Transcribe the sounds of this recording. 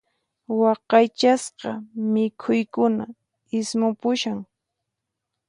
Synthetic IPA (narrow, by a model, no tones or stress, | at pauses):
wɑqɑjt͡ʃasqɑmɪkʰʊjkʊna̰ | ɪsmʊpʊʃaŋ